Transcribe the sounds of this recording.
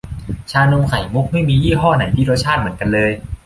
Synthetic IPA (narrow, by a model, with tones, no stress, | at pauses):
t͡ɕʰaː˧no˧mkʰa˨˩˦jmu˦˥k̚ma˥˩jmiː˧jiː˥˩ɦɔː˥˩na˨˩˦jt̪ʰiː˥˩ɾo˦˥t̪̚t͡ɕʰaː˥˩t̪̚mɯ˩˦ənka˧nlɤː˧j